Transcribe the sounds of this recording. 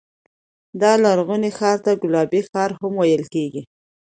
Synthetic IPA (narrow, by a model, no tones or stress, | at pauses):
d̪ɑlaɾɣunexɑɾt̪aɡʊlɑbexɑɾhamwajəlkeɡi